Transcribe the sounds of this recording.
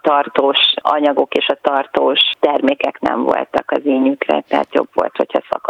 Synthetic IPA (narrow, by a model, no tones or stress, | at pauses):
t̪ɒrt̪oːʃɒ̰ɲɒɡo̞keːʃɒt̪ɒrt̪oːʃt̪ɛrmeːkɛknɛ̰ɱmvo̞̰lt̪ɒkɒzeːɲykrɛ̰t̪ɛɦa̰t̪jo̞̰bʋo̞̰lt̪ho̞chɒsɒ̰k